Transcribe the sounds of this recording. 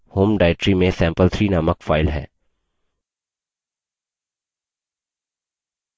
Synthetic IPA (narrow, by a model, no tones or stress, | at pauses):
hoːmɖaːɪʈɾimẽsɛ̃ːmpəlt̪ʰɾiːnaːməkfaːɪlɦɛ̰ː